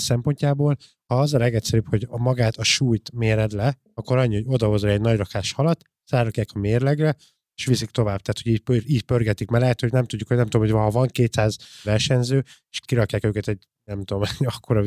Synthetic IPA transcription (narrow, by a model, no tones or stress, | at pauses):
sɛmpo̞ɲcaːboːl | hɒɒzɒlɛɡɛcsɛɾyːpho̞ɟmɒɡaːt̪ɒʃuːjt̪meːɾɛd̪lɛ | ɒkːo̞ɾɒɲːiho̞ɟo̞d̪ɒɦo̞zlɛɛɟnɒɟrɒkaːʃhɒlɒt̪ː | zaːrɒkjaːkɒmeːrlɛɡrɛ | eːʃʋisikt̪o̞vaːb̥̚t̪aːt̪ho̞ɟiːcpøiːɟpørɡɛt̪ikmɛlɛɦɛt̪hoɟnɛmt̪uɟːukːonɛmt̪udomhojvɒɦɒvɒŋkeːt̪saːzvɛrʃɛɲzøːeʃkiɾɒkjaːkøːkɛt̪ɛɟ | nɛmt̪uomɛ̥ɒkːoɾɒ